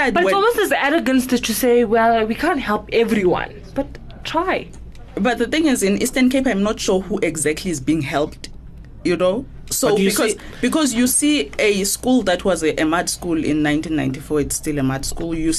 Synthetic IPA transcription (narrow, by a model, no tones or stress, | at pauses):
dwɛsɔlˠmostɛzæɾəɡə̃nstɨztʰuseɪwɛlˠwikʰãnthɛlˠpɛvɹiwã̰n | b̥at̚ | tʰɹ̥aɪ | bat̚ðəθɪ̃ŋizĩnḭstənkʰepajmnɔtʃɔhuʔɛɡzak̚tʰliːzbĩŋhɛlˠpt | juno | soɔz | b̥ikʰɔzjusieskulðatʰwɔzʔɛmadskulḭ̃nːãj̃ntʰĩnːã̰j̃ntifɔitstilɛmadskulˠju